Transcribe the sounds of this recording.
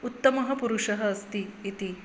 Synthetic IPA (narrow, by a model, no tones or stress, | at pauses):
ut̪ːɐmɐɦɐ̆puɾuʂɐɦɐːst̪iːt̪i